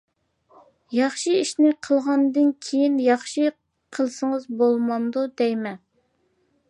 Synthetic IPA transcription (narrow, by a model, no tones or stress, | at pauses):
jɑχʃiiʃnɪqʰəlˠʁɑnd̪ɨnkʲʰejinjɑχʃi | qʰəlˠsəŋəzbolˠmɑnd̪ud̪ɛjmɛ